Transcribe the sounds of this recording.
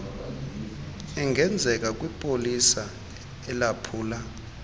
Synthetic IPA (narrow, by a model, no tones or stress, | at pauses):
ɛŋʱɛnd͡zʱɛk̬ʼak̬ʼwipʼolisa | ɛlapʰuːla